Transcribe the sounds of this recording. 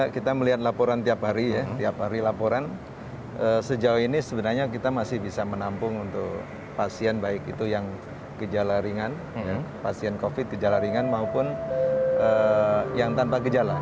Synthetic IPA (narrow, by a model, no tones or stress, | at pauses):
kit̪aməliɦat̪̚lapoɾant̪iapɦaɾijat̪iaphaɾilapoɾan | ʔəsəd͡ʒauinisəbənarɲakit̪amasɪhbisamənampʊŋunt̪ʊk̚ | pasiɛnbaɪkit̪ujaŋ | kəd͡ʒalaɾiŋan | japasiɛnkofɪt̪̚kəd͡ʒalaɾiŋanmaupʊn | əjaŋt̪anpaɡəd͡ʒala